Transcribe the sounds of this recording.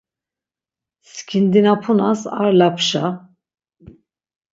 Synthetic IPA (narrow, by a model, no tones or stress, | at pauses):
skʲʰind̪inapʰunasaɾlapʰʃa